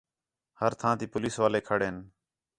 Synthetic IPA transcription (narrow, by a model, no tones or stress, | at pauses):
həɾt̪ʰãːt̪iːpʊliːsʋaːleːkʰəɽeːn